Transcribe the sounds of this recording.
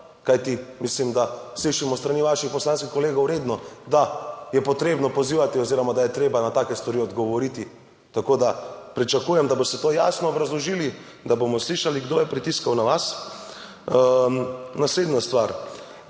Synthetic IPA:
kajt̪imislimd̪asliʃimɔst̪ɾaniːʋaʃixpɔslanskixkɔleːɡowɾeːd̪nɔd̪ajɛpɔt̪ɾeːbnɔpɔziːʋat̪iɔziːɾɔmad̪ajɛt̪ɾeːbanat̪akɛst̪ʋaɾiɔd̪ɡɔʋɔɾiːt̪i | t̪akod̪apɾit͡ʃakuːjɛmd̪abɔst̪ɛt̪oːja̰ːsnɔːbɾazlɔʒili | d̪abomɔsliːʃaliɡd̪ojɛpɾit̪iskawnaʋas | nasleːd̪nast̪ʋaɾ

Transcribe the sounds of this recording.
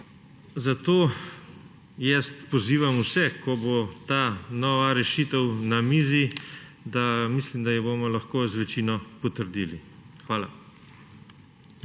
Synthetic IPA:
zat̪oː | jɛst̪pɔziːʋamusɛkʰɔbot̪aːnɔʋaɾɛʃiːt̪əwnamiːzi | d̪amislimd̪ajɛbomɔlaxkoːzʋɛt͡ʃiːnɔpɔt̪əɾd̪iːlixʋaːla̰

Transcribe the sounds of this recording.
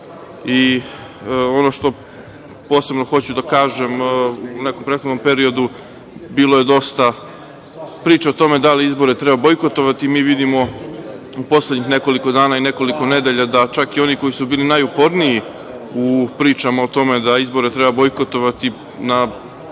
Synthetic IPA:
i | o̞no̞ʃt̪o̞ | po̞ːse̞bnoxo̞t͡ɕud̪akaːʒe̞mune̞ko̞mpɾet̪xod̪no̞mpe̞ɾio̞d̪u | biːlˠo̞je̞d̪o̞st̪a | pɾiːt͡ʃaot̪o̞me̞d̪aliizbo̞ɾet̪ɾebabo̞jko̞t̪o̞ʋat̪imiːʋid̪imo̞ | upo̞sled̪ɲixne̞ko̞liko̞d̪aːnaine̞ko̞liko̞ne̞d̪eʎad̪at͡ʃakio̞niko̞jisubiːlinajupo̞ɾniji | upɾiːt͡ʃamaot̪o̞me̞d̪aizbo̞ɾet̪ɾebabo̞jko̞t̪o̞ʋat̪i | na

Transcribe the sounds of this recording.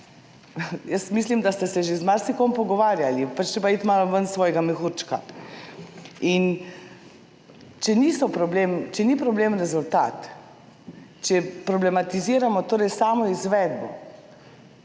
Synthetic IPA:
jəsmislimd̪ast̪ɛsɛʒezmaɾsikɔmpɔɡɔʋaːɾjalipat͡ʃt̪ɾip̬ait̪maːlɔʋənsʋɔːjɛɡamɛxuɾt͡ʃka̰ | in | t͡ʃɛnisɔpɾɔbleːmt͡ʃɛnipɾɔbleːmɾɛzult̪a̰ːt̪ | t͡ʃɛpɾɔblɛmat̪iziːɾamɔt̪oːɾɛjsaːmɔizʋɛːd̪bɔ̰

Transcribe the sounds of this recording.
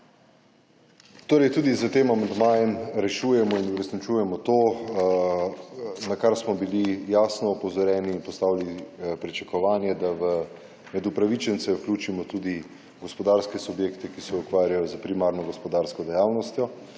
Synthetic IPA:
t̪oːɾɛjt̪uːd̪izət̪eːmamand̪maːjɛmɾɛʃujɛmɔinuɾɛsnit͡ʃuːjɛmɔt̪oː | nakaɾsmɔbilijaːsnɔːpɔzɔɾjɛːniːnpɔst̪aːwilipɾit͡ʃakɔʋaːnjɛd̪aʋə | mɛd̪upɾaʋit͡ʃɛnt̪sɛwklʲuːt͡ʃimɔt̪uːd̪i | ɡɔspɔd̪aːɾskɛsubjeːkt̪ɛkisɛukʋaːɾjajɔzəpɾimaɾnɔɡɔspɔd̪aːɾskɔd̪ɛjaːwnɔst̪jɔ

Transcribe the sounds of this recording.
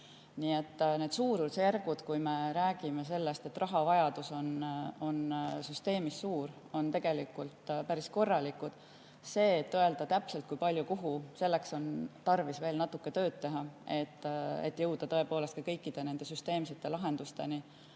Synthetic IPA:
nie̞t̪ːˑne̞ːd̪̥suːɾulsjærɡ̥ud̪̥kujme̞ɾæːɡ̥imese̞lːe̞st̪e̞t̪ːrɑɦɑvɑjɑd̪̥uso̞no̞nsyst̪e̞ːmisːuːɾ | o̞nt̪e̞ɡ̥e̞likult̪pæɾisko̞rːɑlikud̪̥ | se̞ːt̪ːoe̞ld̪̥ɑt̪æpse̞lt̪̚kujpɑlʲjukuɦuse̞lːe̞kso̞nt̪ɑrvisve̞ːlnɑt̪ːˑukːe̞t̪ø̞ːd̪̥̚t̪e̞ɦɑe̞t̪ːḛt̪ːjɤwd̪̥ɑt̪ɤe̞po̞ːlest̪̚kɑkɤjkːid̪̥e̞ne̞nd̪e̞syst̪e̞ːmset̪ːˑe̞lɑɦe̞nd̪ust̪e̞ni

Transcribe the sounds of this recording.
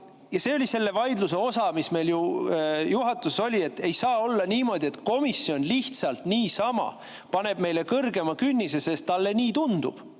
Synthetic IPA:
jɑse̞ːolʲise̞lːe̞vɑjd̪luse̞o̞sɑmisme̞jljujuɦɑt̪ːˑuseso̞lʲie̞t̪ːe̞jsɑːo̞lːɑniːmo̞ːd̪̥ʲie̞t̪ˑko̞misːio̞nliht̪sɑlt̪niːsɑmɑ̰ | pɑne̞b̥me̞jle̞kɤrɡe̞mɑkynʲːise̞se̞st̪ːɑlːe̞niːt̪und̪̥ṵb̥

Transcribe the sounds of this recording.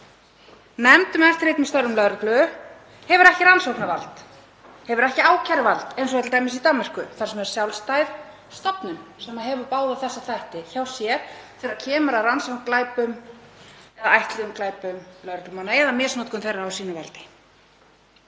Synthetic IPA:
nɛmt̪ʏmɛft̪ɾeːjt̪mɛst̪œɾːʏmlœðɾʏklʏ | hɛvʏɾɛhcɪɾansowknavalt̪ | hɛvʏɾɛhcɪaːwcʰaɾɪvalt̪ejnsɔvɛjt̪lt̪aːjmɪsit̪amːɛr̥kʏθaɾ̥sɛmɛɾ̥sjawlst̪ajð | st̪ɔpnʏmsɛmːaðɦɛvʏpaːwðaθɛsːaθajht̪ɪçawsjɛɾθɛɾacʰɛːmʏɾaransɔklaːjpʏm | ɛðaajht̪lɪʏmklaːjpʏmlœðɾaklʏmanaɛðamɛːsnoːt̪̚kʏnθejrːaːwsiːnɪvɛ̰lt̪ɪ̥

